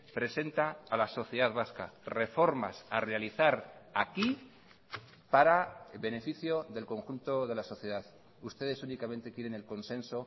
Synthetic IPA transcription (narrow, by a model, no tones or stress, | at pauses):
pɾe̞se̞nt̪aːlaso̞θjeðaðβaska̰re̞fo̞ɾma̰sarealiθaɾaki | paɾaβe̞ne̞fiθjo̞ðe̞lko̞ŋxunt̪o̞ðe̞laso̞θje̞ðað | ust̪e̞ðe̞sunikament̪e̞kjeɾe̞ne̞lko̞nsẽ̞nso̞